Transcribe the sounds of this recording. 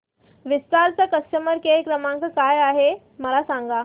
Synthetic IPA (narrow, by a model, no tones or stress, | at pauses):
ʋist̪aɾt͡səkəsʈəməɾkejkɾəmãŋkəkajaɦe | məlasãŋɡa